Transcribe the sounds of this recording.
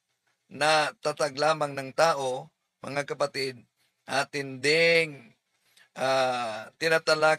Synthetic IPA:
nɐt̪at̪aɡlaːmaŋnɐŋt̪aːʔo̞ | mɐ̰ŋakɐpat̪ɪd̪̚ | at̪ɪnd̪ɪŋ | ʔat̪ɪnat̪ala

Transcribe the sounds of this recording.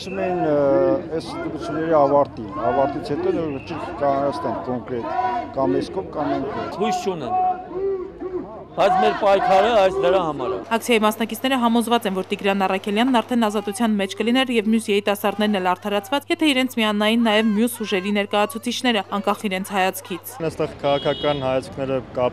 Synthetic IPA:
sumɛjinɛsənt̪əɾut͡sʰjunːɛɾiɑvɑɾt̪inɑvɑɾt̪it͡sʰhɛt̪ɔj̪ɛvət͡ʃiɾkʰkɑɑst̪ɛnkɔŋkɾɛt̪kɑmɛskʰɔvkɑmɛŋk̪ʰɛshujst͡ʃʰunɛ̰n | b̥ɑjt͡sʰmɛɾpɑjkʰɑɾəɑjsd̪əɾɑhɑmɑ̰ɾɛ̰ɑk̚t͡sʰjɑjimɑsnɑkit͡sʰn̪ɛɾəɦɑmɔzvɑt͡sɛnvɔɾt̪iɡɾɑnɑrɑkʰɛljɑnːɑɾt̪ʰɛnɑzɑt̪ut͡sʰjɑnmɛt͡ʃʰkəlinɛɾjɛvmjusjɛɾit̪ɑsɑɾd̪nɛɾnɛlɑɾt̪ʰɑɾɑt͡sʰvɑt͡sjɛt̪ʰɛiɾɛnt͡sʰmiɑnɑjinːɑjɛvmjusuʒɛɾinɛɾkɑjɑt͡sʰut͡sʰit͡ʃʰn̪ɛɾəɑŋkɑχiɾɛnt͡sʰhɑjɑt͡sʰkʰit͡s̪ʰəst̪ɛʁkʰɑʁɑkʰɑkɑnhɑjɑt͡sʰkʰnɛɾəkɑ

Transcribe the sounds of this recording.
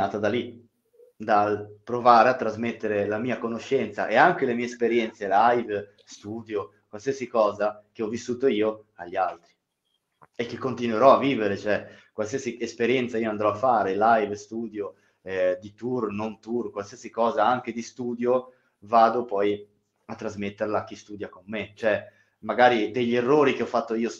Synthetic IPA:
aːt̪ad̪alːi | d̪alpɾovaːɾeat̪ːɾazmet̪ːeɾelamiːakonoʃːɛnt̪sa̰ʔeaŋk̟elemiːespeɾjɛnt̪selajv | st̪uːd̪jo | kwalsiasikɔːzak̟eɔvːisːuːt̪oiːoaʎːialt̪ɾi | ek̟ːekːont̪inweɾɔavːiːveɾet͡ʃoɛkwals̬iːasiespeɾjɛnt̪saiːoand̪ɾɔafːaːɾelajvst̪uːd̪jo | ɛd̪it̪urnont̪urkwalsiːasikɔːzaaŋk̟ed̪ist̪uːd̪jo | vaːd̪opɔj | at̪ːɾazmet̪ːerlak̟ːist̪uːd̪jakomːet͡ʃoɛ | maɡaːɾid̪eʎːerːoːɾik̟eɔfːat̪ːoiːos

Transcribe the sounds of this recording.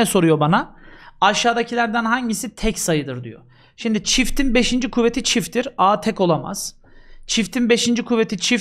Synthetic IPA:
ɛso̞ɾujo̞banaaʃːaːd̪acʰilʲæɾd̪ænɦaɲɟisit̪ʰɛcsajɯd̪ɯɾd̪y̰jo̰ | ʃimd̪it͡ʃʰift̪ʰinbe̞ʃind͡ʒikʰuvːet̪ʰit͡ʃʰift̪ʰiɾaːt̪ʰɛco̞lˠama̰z̥ | t͡ʃʰift̪ʰinbe̞ʃind͡ʒikʰuvːe̞t̪ʰit͡ʃʰif

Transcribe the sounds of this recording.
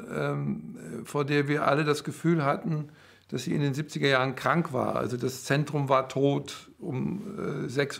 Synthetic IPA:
ʔɛːmfoːɐdeːɐviːɐʔa̰lədasɡ̥əfyːlhatn̩ | d̥asz̥iːɪ̰ndeːnzip̚t͡sɪɡɐjaːʁənkʁ̥aŋkv̥a̰ːɐʔa̰lzodast͡sɛntʁ̥ʊmvaːɐtʰoːtʔʊmɛ̰ːzɛks

